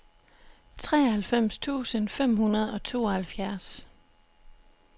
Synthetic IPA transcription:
t͡sʰʁɛ̰ːhælfem̰st͡sʰṵːsənfem̰hunɐð̞ˠɒ̽t͡sʰo̝̰ːɒhælfjæɐs

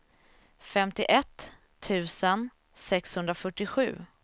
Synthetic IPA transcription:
fɛmt̪ɪʔɛt̪ʰː | ʉ̟ːsən | sɛkshɵnd̪ɾafœʈːɪɧʉ̟̰ː

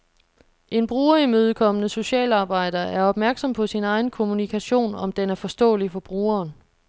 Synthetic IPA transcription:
ʔe̝nb̥ʁuːɐimøːð̞ˠkʰɒ̽mənəso̝ɕɛ̰ːlɑ̈ːb̥ɑ̈ɪ̰d̥ɐʔæɐɒ̽b̥̚mæɐɡ̥sɒ̽mpʰɒ̽sinɑ̈ɪn̩kʰo̝munikʰæɕo̝̰ːnɒ̽md̥enæɐfɒ̽sd̥ɔ̰̽ːlifɒ̽b̥ʁuːɐːn

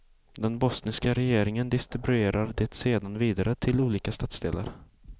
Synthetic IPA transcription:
d̪ɛnbɔsnɪskaɾɛjeːɾɪŋənd̪ɪst̪ɾɪbɵeːɾaɾd̪eːt̪seːd̪anviːd̪aɾət̪ʰɪluːliːkast̪at̪sd̪ḛːla̰ɾ

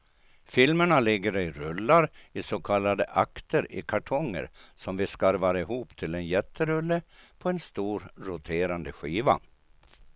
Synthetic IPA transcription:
fɪlməɳalɪɡːəɾɪɾɵlːaɾɪsoːkʰalːad̪əʔakt̪ʰəɾɪ̰kʰaʈʰɔŋːə̰ɾsɔmvɪskaɾvaːɾɪɦuːpt̪ʰɪlɛnjɛt̪ʰːəɾɵlːəpʰɔɛnst̪uːɾːʊt̪ʰeːɾand̪əɧiːva̰

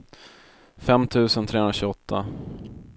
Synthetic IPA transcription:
fɛmt̪ʰʉ̟ːsənt̪ʰɾeːɵnɾaɕʉːɔt̪ʰːa

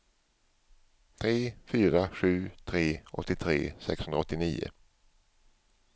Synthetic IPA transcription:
t̪ʰɾeːfyːɾaɧʉ̟ːt̪ʰɾeːʔɔ̰t̪ːɪt̪ʰɾḛːsɛkshɵnaɔt̪ːɪniːʊ̰

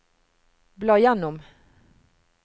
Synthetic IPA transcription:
blɑjanːʊm

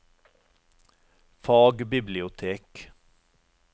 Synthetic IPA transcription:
fɑːɡbɪblɪʊt̪ʰeːk

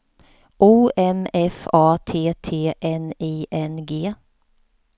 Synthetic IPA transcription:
ʔuːɛmɛfɑːt̪ʰeːt̪ʰeːʔɛniːʔɛnɡeː

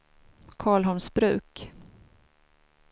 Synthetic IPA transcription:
kʰɑːɭɦɔnsbɾʉ̟ːk

